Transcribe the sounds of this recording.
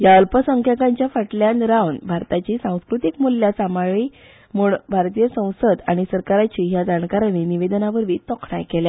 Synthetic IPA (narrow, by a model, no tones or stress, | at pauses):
jaəlpəsəŋkʰjakaɲt͡ɕjafəʈljanɾawnbʱaɾt̪at͡ɕisãw̃skɾut̪ikmulːjasamaɭi | muɳbʱaɾt̪ijəsə̃w̃səd̪aɽ̃isəɾkaɾat͡ɕijad͡zaɳkaɾaniniʋed̪naʋəɾʋiːt̪ɔkʰɳajkɛla